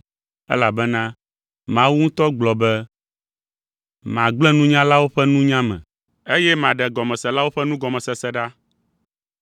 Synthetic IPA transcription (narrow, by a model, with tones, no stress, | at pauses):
ɛ̰˦la˨bɛ˦nã˦ | mã˦wu˦ŋũ˦t̪ɔ˦ɡ͡blɔ˨bɛ˦ | mã˨ɡ͡blɛ˦nũ˦ɲã˦la˦wo˦ɸɛ˦nũ˦ɲã˦mɛ̰̃˨ | e˦jɛ˦mã˨ɖɛ˨ɡɔ˨mɛ̃˨sɛ˨la˦wo˦ɸɛ˦nũ˦ɡɔ˨mɛ̃˨sɛ˨sɛ˦ɖa˦